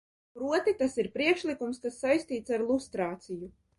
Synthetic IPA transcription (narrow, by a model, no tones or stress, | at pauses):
pɾuɔt̪it̪asiɾpɾiɛkʃlˠikumskasːajst̪iːt̪saɾlˠust̪ɾaːt̪siju